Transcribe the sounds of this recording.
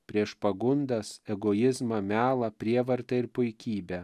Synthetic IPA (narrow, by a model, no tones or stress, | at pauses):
pʲɾʲiɛʃpɐɡʊnd̪ɐsɛɡoːjɪzmɐmʲæːlˠɐpʲɾʲiɛʋɐɾt̪ɐɪɾpʊɪkʲiːbʲɛ